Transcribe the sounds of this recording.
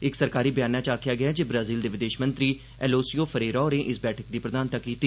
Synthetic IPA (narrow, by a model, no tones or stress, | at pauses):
ɪksəɾkaːɾiːbəjaːnaːt͡ʃaːkʰɪjaːɡɪjaːd͡ʒeːbɾaːziːld̪eːʋɪd̪eːʃmə̃nt̪ɾiː | ɛːloːsijoːpʰəɾeːɾaːɾẽːʔɪsbɛːʈʰək̚d̪iːpɾəd̪aːnt̪akːiːt̪ːiː